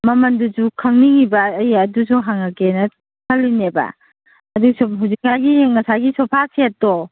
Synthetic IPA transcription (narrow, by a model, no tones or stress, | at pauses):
mɐmɐnduzukʰaŋniŋibɐːjɐdusuɦaŋakenɐ | kʰɐlːinebɐ̰ | ɐduɡsuɦuzik̚ŋajɡiŋɐsajɡisɔpʰasʰeatɔ